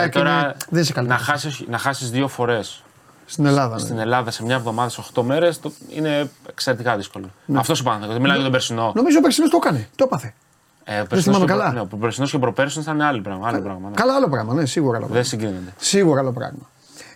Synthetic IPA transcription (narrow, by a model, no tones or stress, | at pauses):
ett̪oɾɐðenisekɐlinɐxɐsinɐxɐsizðio̞fo̞ɾe̞s | st̪ine̞lɐðɐst̪ine̞lɐðɐse̞mɲɐevðo̞mɐðɐseoxt̪o̞me̞ɾe̞st̪oḭne̞ekseɾe̞t̪ikɐðiskoloneɐft̪o̞sopɐθeot̪milɐmjɐt̪beɾsino̞no̞mizopeɾsinost̪okɐnet̪opɐθe̞ | eopeɾsiθinmɐmkɐlɐneopobeɾsino̞scepɾo̞peɾsunsɐneɐlipɾɐɣmɐɐlopɾɐɣmɐkɐlɐɐlo̞pɾɐɣmɐnesiɣuɾoɐlo̰ðesiɡɾinond̪esiɣuɾoɐlopɾɐ̰ɣmɐ